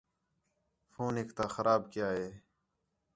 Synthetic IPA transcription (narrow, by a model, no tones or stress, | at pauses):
fʰoːnɦekt̪aːxəɾʔaːbkɪjaːɦeː